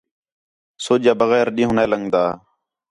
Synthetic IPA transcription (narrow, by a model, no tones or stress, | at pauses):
soːd͡ʒaːbəɣɛːɾɗĩːɦːnaːləŋɡd̪aː